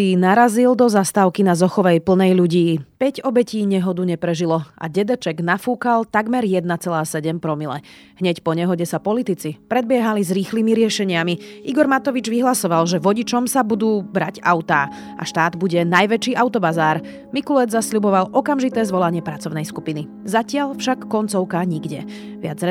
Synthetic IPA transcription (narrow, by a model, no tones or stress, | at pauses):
inaɾazild̪ɔzast̪aːʊkinazɔxɔʋɛjpl̩nɛjʎuɟiːpɛɟɔbɛciːɲɛɦɔd̪uɲɛpɾɛʒilɔʔa̰ɟɛd̪ɛt͡ʃɛɡnafuːkalt̪aɡmɛɾjɛd̪nat͡sɛlaːsɛɟɛmpɾɔmilɛ̰ | ɦɲɛcpɔɲɛɦɔɟɛsapɔlit̪it͡sipɾɛd̪̚bɪɛɦalizɾiːxliːmiɾɪɛʃɛɲɪamiʔiɡɔɾmat̪ɔʋid͡ʒʋiɦlasɔʋalʒɛʋɔɟit͡ʃɔmsabud̪uːbɾaɟaʊt̪aː | ʔa̰ʃt̪aːd̪buɟɛnajʋɛt͡ʃiːʔaʊt̪ɔbazaːɾ | mikulɛd͡zzasʎubɔʋalʔɔkamʒit̪ɛːzʋɔlaɲɪɛpɾat͡sɔʊnɛjskupini | zacɪaʎfʃakːɔnt͡sɔʊkaɲiɡɟɛ | ʋɪa̰d͡z